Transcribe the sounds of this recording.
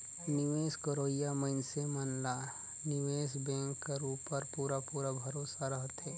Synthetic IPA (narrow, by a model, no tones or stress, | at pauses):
nɪʋeːskəɾoːijaməɪnsemɐnla | nɪʋeːsbɛ̃ːŋkːaɾuːpːɐɾpuːɾapuːɾabʱɐɾoːsaɾɐɦt̪eː